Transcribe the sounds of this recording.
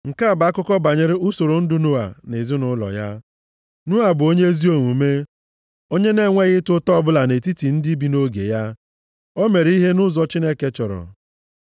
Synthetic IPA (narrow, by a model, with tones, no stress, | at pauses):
ŋ̩˨ka˦a˨ba˨˦kʊ˦kɔ˦ba˨ɲe˦ɾe˦ʊ˦so˨ɾo˨n̩˦dʊ˦nʊ˦a̰˨ne˨zʊ˦nʊ˦lɔ̰˨ja˦ | nʊ˦a˨bʊ˨o˦ɲe˦zi˦o˨ŋʷu˨me˦ | o˦ɲe˦ne˦˨ŋʷe˦ɣɪ˦tʊ˦tɔ˦bʊ˦la˨ne˨ti˦ti˨n̩˦dɪ˦bi˨˦no˦ɡḛ˨ja˦ | o˦me˨ɾi˦ɦe˦nʊ˦zɔ˦t͡ʃi˦ne˦ke˦t͡ʃɔ˨ɾɔ̰˨